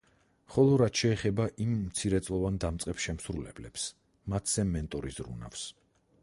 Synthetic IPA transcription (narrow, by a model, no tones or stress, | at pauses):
χɔlˠɔɾat̪ʃɛːχɛbaʔimːt̪sʰiɾɛt̪sʼlˠɔvand̪amt̪sʼqʼɛpsʃɛmsɾulɛblɛps | mat̪ʰsɛmɛnt̪ʼɔɾisɾṵna̰fs